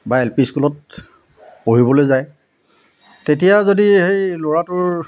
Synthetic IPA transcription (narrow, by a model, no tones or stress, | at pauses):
baelpiskulɔt̚ | poɹibɔlojzaj | tetijazodihejloɹatʊɹ